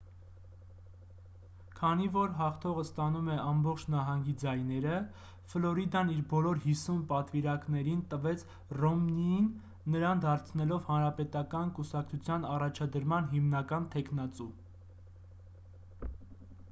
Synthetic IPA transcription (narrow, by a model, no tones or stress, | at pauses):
kʰɑnivɔɾɦɑχt̪ʰɔʁəst̪ɑnumɛɑmbɔχt͡ʃʰnɑɦɑŋɡid͡zɑjnɛɾə | flɔɾid̪ɑniɾbɔlɔɾhisunpɑt̪viɾɑknɛɾint̪əvɛt͡sʰ | rɔmniinː | əɾɑnd̪ɑɾt͡sʰnɛlɔvhɑnɾɑpɛt̪ɑkɑnkusɑkt͡sʰut͡sʰjɑnɑrɑt͡ʃʰɑd̪əɾmɑnɦimnɑkɑnt̪ʰɛkʰnɑt͡su